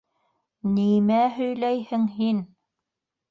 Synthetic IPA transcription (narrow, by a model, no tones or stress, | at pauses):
nimæɦɵ̆jlæjhɘŋɦin